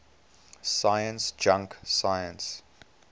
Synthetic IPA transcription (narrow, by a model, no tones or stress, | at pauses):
saɪjə̃nsd͡ʒãŋksajə̃ns